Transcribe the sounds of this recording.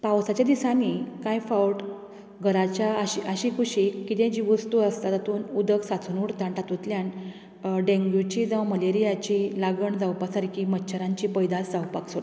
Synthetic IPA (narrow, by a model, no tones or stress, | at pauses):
pawsat͡ɕjad̪isanikãjfawʈ | ɡʱəɾat͡ɕjaɕiəɕikʰuɕikːit̪ẽd͡ʑiːʋəst̪uəst̪at̪at̪uːnud̪əksat͡sʰunuɽt̪ãɳʈat̪ut̪ljan | ɖẽŋɡjut͡ɕid͡zawməleɾijat͡ɕilaɡəɳd͡zawpasaɾkimətːɕʰəɾãɲt͡ɕiːpəjd̪at͡sd͡zawpakso